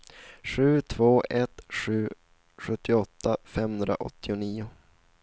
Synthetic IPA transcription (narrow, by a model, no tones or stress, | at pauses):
ɧʉ̟ːt̪ʰvoːʔɛt̪ɧʉ̟ː | ɧɵt̪ːɪɔt̪ʰːafɛmhɵnd̪ɾa̰ʔɔ̰t̪ʰːɪʊniːʊ